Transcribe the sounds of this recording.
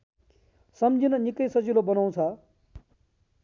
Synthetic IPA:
sʌmd͡zinʌnikʌjsʌd͡zilobʌnaw̃t͡sʰʌ

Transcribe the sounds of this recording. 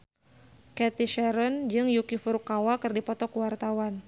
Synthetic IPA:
kɛt̪iʃɛɾɔnd͡ʒɨŋjukifurkawakɨrdipɔt̪ɔkuwart̪awan

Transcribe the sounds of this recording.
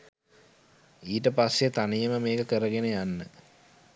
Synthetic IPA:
iːʈəpasjet̪anijəməmeːkəkəɾəɡenejanːə

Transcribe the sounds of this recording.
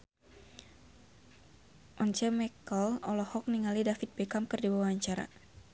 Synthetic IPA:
ʔɔnt͡ʃɛmɛkəlɔlɔhɔk̚niŋalidafit̪̚bɛkamkɨrdiwawaɲt͡ʃaɾa̰

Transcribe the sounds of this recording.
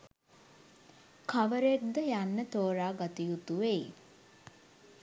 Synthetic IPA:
kʰaʋəɾek̚d̪əjanːət̪oːɾaːɡat̪ijut̪uʋe

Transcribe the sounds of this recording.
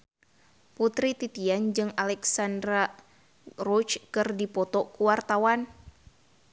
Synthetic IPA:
put̪ɾit̪it̪iand͡ʒɨŋalɛksandɾa | rɔt͡ʃkɨrdipɔt̪ɔkuwart̪awan

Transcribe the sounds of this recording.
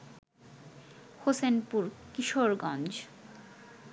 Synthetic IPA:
hosenpuɾkiʃoɾɡɔnd͡ʑ

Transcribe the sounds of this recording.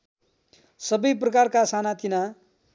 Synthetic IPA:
sʌbʌjp̬rʌkarkasanat̪ina

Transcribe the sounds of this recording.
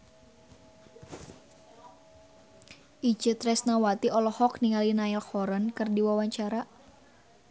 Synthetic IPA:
ʔid͡ʒət̪ɾɛsnawat̪iɔlɔhɔkniŋalinaɛlxɔɾənkɨrdiwawaɲt͡ʃaɾa

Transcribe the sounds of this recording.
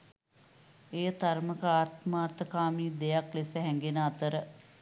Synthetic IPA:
ejət̪aɾməkaːrt̪maːrt̪əkaːmiːd̪ejaklesəɦɛŋɡenəat̪əɾə

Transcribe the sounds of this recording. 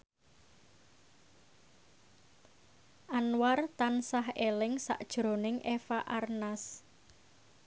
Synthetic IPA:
ʔanwart̪ansaɦelɪŋsa̰ʔd̥ʒ̥ɾo̤nɪŋʔefaʔarnas

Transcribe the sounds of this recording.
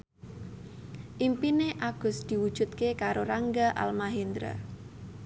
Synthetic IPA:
ʔimpineʔaɡ̥ʊ̤sd̪̥i̤wud̥ʒ̥ṳt̪̚kekaɾoɾaŋɡaʔa̰lmaɦind̪ɾa̰

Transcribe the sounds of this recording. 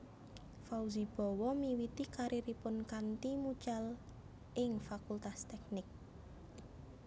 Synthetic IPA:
fauzib̥ɔ̤wɔmiwit̪ikaɾiɾipʊnkant̪imud̥ʒ̥al | ʔɪŋfakult̪ast̪ɛk̚nɪk̚

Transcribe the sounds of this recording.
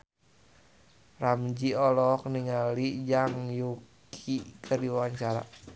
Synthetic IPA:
ramd͡ʒiɔlɔk̚niŋalid͡ʒaŋjukʰikʰərdiwwaɲt͡ʃaɾa̰

